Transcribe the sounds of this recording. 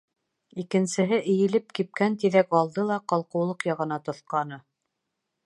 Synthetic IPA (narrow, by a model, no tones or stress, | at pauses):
ikɘ̆nsɘ̆ɦɘʔɘ̆jɘ̆lɘp̚kip̚kænt̪iðækɑlˠd̪ɤlˠɑqɑlˠqɤ̆wlˠɤqjɑʁɤ̆nɑt̪ŏθqɑnɤ